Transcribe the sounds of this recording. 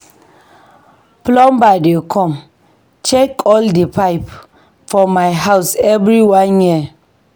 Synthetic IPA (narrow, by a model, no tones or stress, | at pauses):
plɔ̃mbajdikʰɔ̃m | t͡ʃɛkɔldəpajp | fɔmajɦawsɛvɾiwãnji